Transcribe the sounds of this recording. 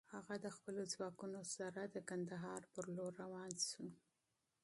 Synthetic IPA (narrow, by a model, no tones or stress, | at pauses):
haɣad̪əxpəlozwɑkunosaɾad̪əkand̪aɦɑɾpəɾloɾːawɑnsu